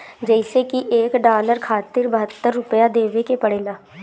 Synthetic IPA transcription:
d͡ʒəɪseːkɪʔeːkɖaːləɾkʰaːt̪ɪɾbəɦət̪ːəɾːʊpəjaːd̪eːʋeːkeːpəɽẽːd̪aː

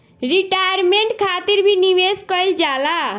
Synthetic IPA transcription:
ɾiʈajɾmeɳʈkʰat̪iɾbʱiniʋeskəjld͡ʒala

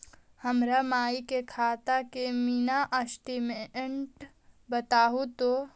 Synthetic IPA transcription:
həmɾamaːikekʰaːt̪akemiːnaʔəsʈimẽɳʈ | bət̪aːɦut̪o

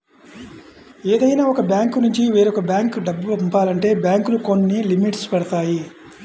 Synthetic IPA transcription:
eːd̪ɐjnaːɔkɐbjaːŋkunuɲt͡ʃiʋiːɾɔkɐbjaːŋkɖɐbːɐpumpaːlɐɳʈe̞ːbjaːŋkulukonːilimiʈspɛɽɐt̪aːji

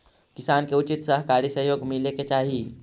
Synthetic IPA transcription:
kɪsaːnkeʊt͡ʃɪt̪sɐɦkaːɾisəɦjoːɡmɪleket͡ʃaːɦi

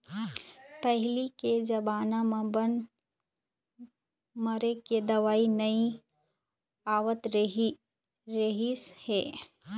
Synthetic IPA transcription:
pɛɦliked͡ʒɐbaːnamãbən | mɐɾeked̪ɐʋaːinɐi | aːʋət̪ɾ | ɾeɦisheː

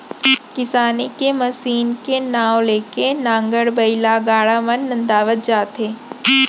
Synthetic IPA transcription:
kɪsaːnikemɐsiːnkenaːwleːkenãːŋɡəɽbɐɪlaɡaːɽaʋənːɐ̃nd̪aːʋət̪̚d͡ʒaːt̪ɦeː

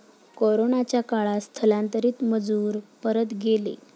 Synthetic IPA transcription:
koɾonat͡ɕjakaɭast̪ʰəlãnt̪əɾiːt̪məd͡zuːɾpəɾət̪ɡelḛ

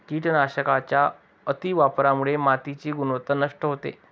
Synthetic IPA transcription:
kiːʈnaɕəkat͡ɕja | ət̪iʋapɾamuɭemat̪it͡ɕiːɡunʋət̪ənəʂʈəɦot̪ḛ

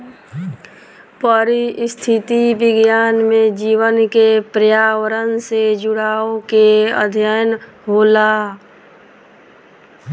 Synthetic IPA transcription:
pəɾist̪ʰɪt̪iʋɪɡjaːnmẽd͡ʒiːʋənkepɾəjaːwəɾənsed͡ʒʊɽaːokeə̰d̪ʱjəjən | ɦoːlaː

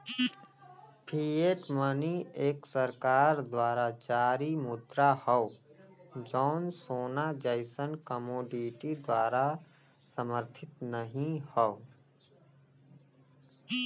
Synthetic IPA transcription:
pʰiːeːʈmənieːksəɾkaːɾd̪waːɾad͡ʒaːɾimʊd̪ɾahɔo | d͡ʒɔːnsoːnad͡ʒəɪsənkəmoːɖiʈid̪waːɾa | səməɾt̪ʰɪt̪nəɦĩhɔo

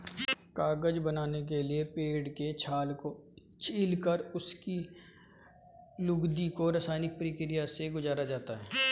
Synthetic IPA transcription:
kaːɡəd͡ʒbənaːnek̬eliepeːɖket͡ʃʰaːlko | t͡ʃiːlkəɾʊski | lʊɡd̪ikoɾɐsaːnɪk̚pɾiːkɾijaseɡʊzaːɾad͡ʒaːt̪aɦɛː

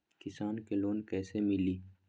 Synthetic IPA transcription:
kɪsaːnkeloːnkɛːsemɪliː

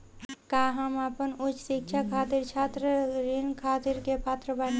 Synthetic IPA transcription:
kaɦəmapənut͡ʃsik̚t͡ʃʰakʰaːt̪iɾt͡ʃʰaːt̪ɾəɾinkʰaːt̪iɾkepaːt̪ɾəbən

